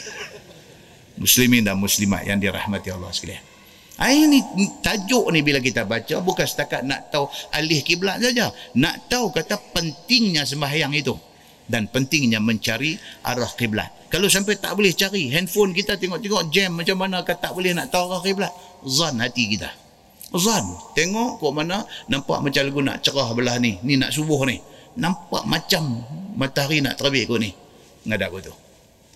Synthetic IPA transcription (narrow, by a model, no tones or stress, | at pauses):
mʊslimɪndamuslima̰ʔ̪ja̰ŋdiɾa̰hmat̪iɑlːɑ̰hsə̥kaliah | ʔainit̪ad͡ʒʊʔnibilak̬it̪abat͡ʃabukansə̥t̪akat̪̚na̰ʔt̪awʔalɪhkiblat̪̚sad͡ʒana̰ʔt̪aukat̪apənt̪ɪŋɲas̬əmbaɦjaŋit̪u | danpənt̪ɪŋɲaməɲt͡ʃaɾiʔa̰ɾahqibla̰t̪̚kalosampɛjt̪a̰ʔbolɛht͡ʃaɾiɦɛnfʊnk̬it̪at̪ɛŋɔʔt̪eŋɔʔd͡ʒɛmːat͡ʃamːanakat̪aʔbolɪhnaʔt̪aaɾahkiblat̪̚ | zanhat̪ikit̪a̰ | zant̪eŋɔʔkoʔmananampa̰ʔmat͡ʃaləɡuna̰ʔt͡ʃəɾahbəlahninina̰ʔsubʊhnɪhnampa̰ʔmat͡ʃamːat̪aɾina̰ʔt̪əɾəbɪʔkoʔnɪh | ŋadaʔkot̪u